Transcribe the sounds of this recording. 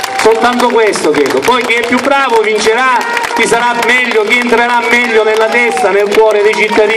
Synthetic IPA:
solt̪ant̪okwɛst̪okɾɛ̰ːd̪opɔjk̟ɪɛpːjubːɾaːvovint͡ʃeɾa | k̪ːisaɾamːɛʎːokiːnt̪ɾeɾamːɛʎːonelːat̪ɛst̪anelkwɔːɾed̪ed͡ʒit̪ːad̪iː

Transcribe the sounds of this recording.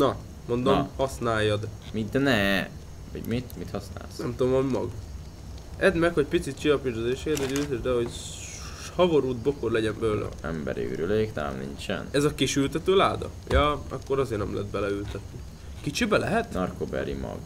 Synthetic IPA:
nɒ | mo̞nd̪omhɒsnaːjːɒd̪mid̪ɛnɛ | ɒɟmit̪mit̪hɒsna̰ːlsnɛmt̪ud̪omɒmimɒɡ | ɛd̪mɛkhoc̚pit̪sit̪̚t͡ʃiɒpiʒd̪ozeːʃed̪oɟylt̪ɛʒd̪ɛɦo̞ɟ | hɒboɾuːd̪̚bo̞korlɛɟɛnbɛløːlʔɛ̰ɛmbɛɾiɾyleːkt̪aːmnint͡ʃɛ̰nɛzɒkiʃylt̪ɛt̪øːlaːd̪ɒ̰ | jɒːɒ̰kːo̞ɾɒzeːrnɛmlɛ̰d̪bɛlɛylt̪ɛt̪ːi | kit͡ʃibɛlɛɦɛt̪nɒrkobɛ̰ɾimɒ̰ɡ

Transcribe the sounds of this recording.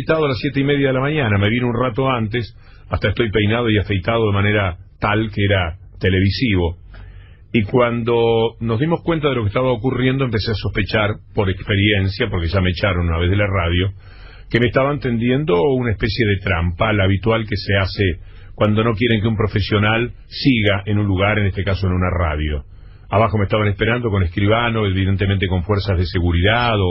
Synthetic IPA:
t̪aðoalasjet̪̬eimeð̞jaðelamaɲanameβinounrat̪̬oant̪̬es | ast̪aest̪o̞jpejnað̞o̞iafejt̪að̞o̞ð̞emaneɾat̪alkeeɾa | t̪ele̞β̞isiβo̞ | ikwand̪onozðimo̞hkwe̞nt̪̬aðe̞lo̞kest̪aβaokurjend̪oempeseaso̞hpet͡ʃaɾpo̞ɾekspeɾjensjapo̞ɾkeʒameet͡ʃaɾonunaβe̞ðelarað̞jo | kemest̪aβaent̪e̞nd̪je̞nd̪o̞unaespesje̞ðet̪ɾampalaβ̞it̪walkesease | kwand̪o̞no̞k̬je̞ɾe̞ŋk̬eumpɾo̞fesjo̞nal | siɣaʔenũnluɣaɾenest̪e̞kaso̞enunara̰ðjo̰ | aβaxo̞mest̪aβanespeɾand̪o̞ko̞neskɾiβanoeβiðent̪emẽnt̪eko̞ɱfweɾsazðese̞ɣuɾiðaðo

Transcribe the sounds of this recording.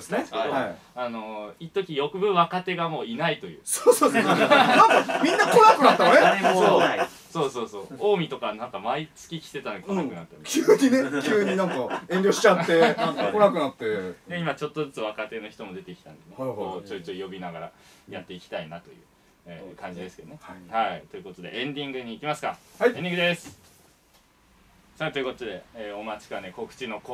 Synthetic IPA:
sneoa | ano̞it̪ːokʲijo̞kɯ̟bɯ̟βakat̪e̞ɡamo̞ːinait̪o̞jɯ̟ːsoːsoːdnãŋkamʲĩnːatkonakɯ̟nat̪ːaneoo | so̞ːso̞ːso̞ːo̞ːmʲit̪o̞kanãŋkamait͡sɨ̥kʲikʲi̥t̪e̞t̪anokõnakɯ̟nat̪ːakʲʰɯːɲinekʲɨːɲinãŋkaẽ̞nɾʲo̞ːɕi̥t͡ɕat̪ːe̞konakɯ̟nat̪ːe̞neimat͡ɕo̞t̪ːo̞zɨt͡sɨβ̞akat̪e̞no̞çi̥t̪o̞mo̞d̪e̞t̪e̞kʲi̥t̪ãnd̪e̞neoot͡ɕoːt͡ɕɨːjo̞bʲinaɡaɾa | jat̪ːe̞ikʲi̥t̪ainat̪o̞jɯ̟ː | eːkãɲ̟d͡ʑid̪e̞sɨ̥ke̞d̪onehait̪o̞jɯ̟ko̞t̪o̞d̪e̞̰ʔẽ̞ɲd̪ʲĩŋɡɯ̟ɲ̟iːkʲimasɨ̥kaaẽɲd̪ʲiŋɡɯd̪esɨ̥ | sat̪ojɯ̟kot̪od̪e̞eːo̞mat͡ɕi̥kaneko̞kɯ̟̥t͡ɕino̞k

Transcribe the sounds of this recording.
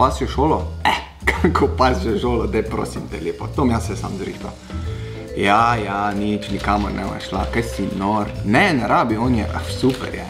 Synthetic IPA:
paːsjoʃoːlɔɛ | kʰakʰopasoʃoːlɔd̪ɛpɾo̰ːsimt̪ɛleːpot̪omjaːsɛsa̰ːmzɾḭːxt̪a̰ | jajanit͡ʃnikaːmoɾnʔɛ̰ba̰ʃla̰kajsinoɾnɛnɛɾaːbioːnjɛ̰ʔasuːpɛ̰ɾjɛ

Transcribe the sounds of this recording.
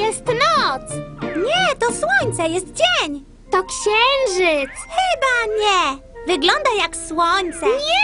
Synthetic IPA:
jɛst̪nɔt̪sɲɛt̪ɔswɔɲt̪sɛjɛst̪̚d͡ʑɛɲ | t̪ɔkɕɛŋʐɘt̪sxɘbaɲɛ | vɘɡlɔnd̪ajakswɔɲt̪sɛɛ

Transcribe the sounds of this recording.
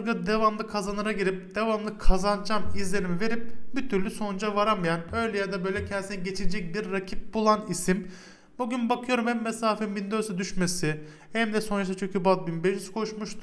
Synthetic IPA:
ɾɡad̪evamlˠɯkʰazanɯɾaɟiɾip̚d̪̥evamlˠɯkʰazand͡ʒamizlʲe̞ɾimive̞ɾip̚bit̪ʰyɾlʲyso̞nund͡ʒavaɾamjanø̞jlʲɛjad̪abø̞jlʲɛcʰɛnsinɛɟe̞t͡ʃʰind͡ʒɛc̚biɾːacʰip̚bulˠanisim | buɟynbakʰɯjo̞ɾumhɛmːesaːfɛmbind̪øsɛd̪yʃmesɪ | hɛmd̪ɛso̞nɾas̬at͡ʃʰøɲcybalt̪̚binbeʃyz̥kʰo̞ʃmuʃt̪ʰu

